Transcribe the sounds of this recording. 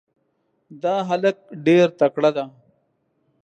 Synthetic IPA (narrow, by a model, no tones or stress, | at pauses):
d̪aːɦɐlək̚ɖeɾt̪ɐkɽad̪a